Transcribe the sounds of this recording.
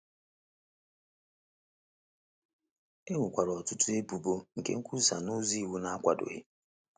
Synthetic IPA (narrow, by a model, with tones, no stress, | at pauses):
e˦ŋʊ˨kʷa˨ɾɔ˨tʊ˦tʊ˦e˦bu˨bo˦ŋ̩˨kḛ˦ŋ̩˦kʰʷu˦sa˨no˦zi˦˨wu˦na˦a˦kʷa˨dʊ̰˨ɣɪ̰˦